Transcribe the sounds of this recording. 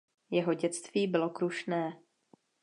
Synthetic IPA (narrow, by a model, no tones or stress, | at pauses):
jɛɦo̞ɟɛt͡st̪viːbɪlo̞kɾuʃnɛː